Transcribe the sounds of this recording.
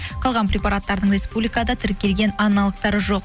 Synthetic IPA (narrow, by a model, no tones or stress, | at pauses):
qʰɑlˠʁɑnpɾʲepɑɾat̪ːɑɾəd̪əɴɾʲe̞spublikad̪ɑt̪ʰɪɾkʲe̞lɡʲe̞nɑnɑlˠəq̚t̪ɑɾəʒo̞q